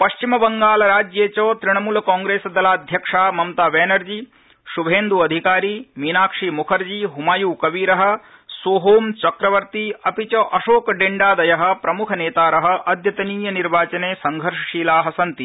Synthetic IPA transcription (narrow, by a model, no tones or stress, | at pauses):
pɐʃt͡ʃimɐbɐŋɡaːlɐɾaːd͡ʒjeːt͡ʃoːt̪ɾiɳ̃ɐmuːlɐkaːŋɡɾeːsɐd̪ɐlaːd̪ʱjɐkʂaːmɐmt̪aːʋɛːnɐɾd͡ʒi | ʃubʱeːnd̪uɐd̪ʱikaːɾiːmiːnaːkʂimukʰɐɾd͡ʒiɦumaːjuːkɐʋiːɾɐɦɐ̆soːɦoːmt͡ʃɐkɾɐʋɐɾt̪iɐpit͡ʃɐʔɐʃoːkɐɖeɳɖaːd̪ɐjɐɦɐ̆pɾɐmukʰɐneːt̪aːɾɐɦɐ̆ʔɐd̪ʱjɐt̪ɐniːjɐniɾʋaːt͡ʃɐneːsɐŋɡʱɐɾʂɐʂiːlaːɦɐsɐnt̪i